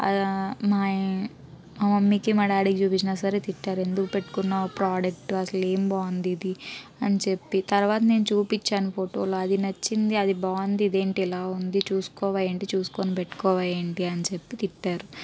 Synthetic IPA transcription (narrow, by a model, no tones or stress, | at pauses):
maː | maːmɐmːikimɐɖaːɽikit͡ʃuːpit͡ʃːinasaɾet̪iʈːaːɾe̞nd̪ukupe̞ʈːu̥kunːapɾaːd͡ʒɐk̚ʈuɐsɐle̞ːmbaːnd̪id̪iɐnt͡ʃe̞pːit̪ɐɾʋaːt̪̬ɐne̞ːnut͡ʃuːpit͡ʃːaːnupʰoʈoːloɐd̪inɐt͡ʃːind̪iɐd̪ibaːnd̪id̪e̞ːɳʈiɛlaːund̪it͡ʃuːsu̥kɔːʋaːjɐɳʈit͡ʃuːsu̥koːnipeʈːu̥kɔːʋaːjeɳʈiɐnt͡ʃe̞pːit̪iʈːaːɾu